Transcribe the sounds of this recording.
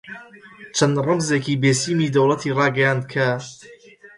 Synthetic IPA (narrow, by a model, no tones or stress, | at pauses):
t͡ʃʰɐnrˤɨmzeːkiːbeːsiːmid̪ɐwlˠɐt̪ʰiːrˤɑːɡɐjaːnd̪̚kʰɐ